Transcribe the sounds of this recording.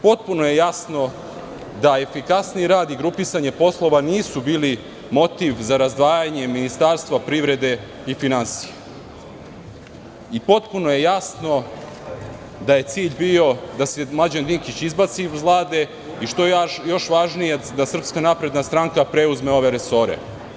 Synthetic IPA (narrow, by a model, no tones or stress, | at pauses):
po̞t̪̚punoje̞jasno̞ | d̪ae̞fikasniiɾaːd̪iɡɾupisaɲepo̞slˠo̞ʋaniːsubiːli | mo̞t̪iʋzaɾazd̪ʋaːjaɲe̞minist̪aːɾst̪ʋapɾiʋɾe̞d̪e̞ | ifinansije | ipo̞t̪punoje̞jasno̞ | d̪aje̞t̪siːʎbio̞d̪asemlˠad͡ʑend̪iŋkit͡ɕizbat̪siuzlˠaːd̪e̞ | iʃt̪ojo̞ʃʋaʒnijed̪asr̩pskanapɾe̞d̪nast̪ɾaŋkapɾeuzme̞o̞ʋeɾeso̞ɾḛ